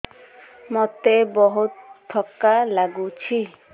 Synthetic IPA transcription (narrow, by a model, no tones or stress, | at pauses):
mɔt̪ebɔɦut̪ʰːɔkːalaɡut͡ʃʰi